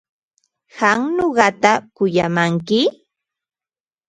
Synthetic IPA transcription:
hɑŋɲoɢɑt̪akʊjamaŋkɪ

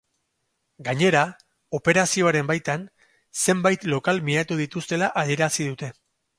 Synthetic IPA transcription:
ɡaɲe̞ɾa | o̞pe̞ɾasio̞aɾe̞mbajt̪an | se̞mbajt̪lo̞kalmiat̪uðit̪ust̪e̞laʔaðie̞ɾasiðut̪e̞

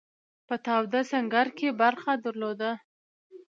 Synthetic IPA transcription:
pət̪awd̪asaŋɡaɾkebaɾxad̪əɾlod̪a

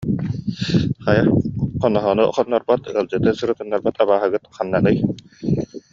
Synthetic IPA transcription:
χajaqɔnɔɦɔnuχɔnːɔɾbat̪ɯɐlˠd͡ʑɯt̪ɯsɯɾut̪ɯnːaɾbat̪aβaːɦɯɡɯt̪χanːanɯj

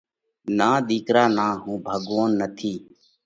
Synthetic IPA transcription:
nãːɗ̪iːkɾaːnãːɦũːbʱəɠʋoːnːət̪ʰiː

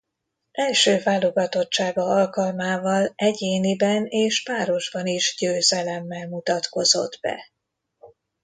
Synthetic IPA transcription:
ʔɛlʃøːvaːlo̞ɡɒt̪o̞t͡ʃt͡ʃːaːɡɒɒlkɒlmaːvɒlɛɟeːnibɛneːʃpaːɾo̞ʒbɒniʒɟøːzɛlɛmːɛlmut̪ɒt̪ko̞zo̞̰d̪bɛ̰

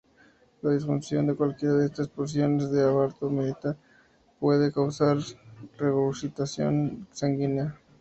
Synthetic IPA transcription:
laðisfunsjo̞nd̪ekwalkjeɾaðeest̪aspoɾs̬jo̞ne̞zðeaβaɾt̪omeðit̪aɾ | pwe̞ðekawsaɾreɣousit̪asjo̞̰nsaŋɡina

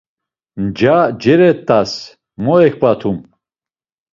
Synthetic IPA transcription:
md͡ʒad͡ʒɛɾɛt̪ʼːas | mɔɛkʰpʼat̪ʰum

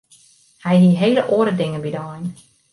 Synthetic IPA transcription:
hɛjdiɦeːləʔoːəɾədɪŋəbidɔjn

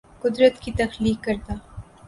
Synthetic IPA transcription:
kʊd̪ɾət̪kit̪ɐxliːkːɐɾt̪aː

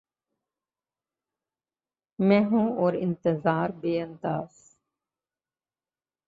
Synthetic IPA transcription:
mɛ̃ːɦũːoːɾɪ̰nt̪əzaːɾbeːənd̪aːz

